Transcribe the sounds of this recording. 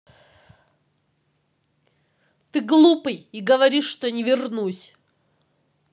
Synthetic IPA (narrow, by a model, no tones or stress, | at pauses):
t̪ɨɡlˠupɨjiɡəvɐɾʲiʂːt̪onʲɪvʲɪrnusʲ